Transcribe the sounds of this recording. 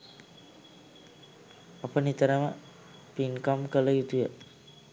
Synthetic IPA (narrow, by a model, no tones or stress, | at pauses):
apənit̪əɾama | piŋkɔmkələjut̪ujəʔ